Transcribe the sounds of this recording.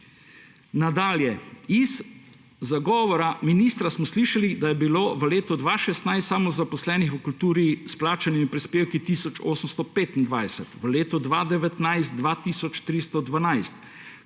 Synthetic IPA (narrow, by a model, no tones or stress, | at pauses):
nad̪aːljɛizː | aɡɔːʋɔɾaminiːst̪ɾasmɔsliːʃalid̪ajɛbiloːʋəleːt̪ɔd̪ʋaʃɛst̪najssamɔzapɔslɛːnixʋəkult̪uːɾisplaːt͡ʃanimipɾispeːwkit̪iːsɔt͡ʃoːsəmst̪ɔpeːt̪ind̪ʋajsɛt̪ʋəleːt̪ɔd̪ʋad̪ɛʋɛt̪najst̪̚d̪ʋat̪iːsɔt͡ʃt̪ɾist̪ɔd̪ʋanajst̪